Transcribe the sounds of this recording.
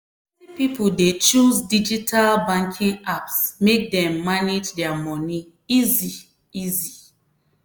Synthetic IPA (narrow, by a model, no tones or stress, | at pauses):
ɛnipipoldet͡ʃuzdid͡ʒitʰalbãŋkʰĩŋapsmek̚dɛ̃mːaned͡ʒdɛamɔni | izi | izi